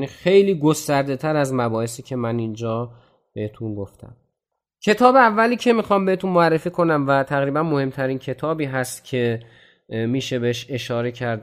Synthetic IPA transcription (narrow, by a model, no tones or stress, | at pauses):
nixe̞jliːɡo̞st̪æɾd̪e̞t̪ʰæɾæzmæbɒːhesiːcʰe̞mænind͡ʒɒː | be̞het̪ʰunɡo̞ft̪ʰæ̰m | cʰe̞t̪ʰɒːbeævːæliːcʰe̞mixɒːmbe̞het̪unmoærːe̞fiːkʰo̞næmvæt̪ʰæɣɾiːbænmo̞he̞mt̪ʰæɾiːncʰe̞t̪ʰɒːbiːɦæst̪cʰe̞ | miːʃe̞beeʃe̞ʃɒːɾe̞cʰæɾd̪